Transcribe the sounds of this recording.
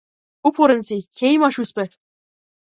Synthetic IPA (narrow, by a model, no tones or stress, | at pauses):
upʰuɾɘ̆nʲzʲekʲʰejmɑʃuspʲɘkʲ